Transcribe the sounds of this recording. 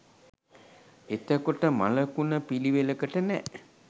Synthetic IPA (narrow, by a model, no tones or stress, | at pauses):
et̪əkoʈəma̰ləkunəpiliʋeləkəʈənɛ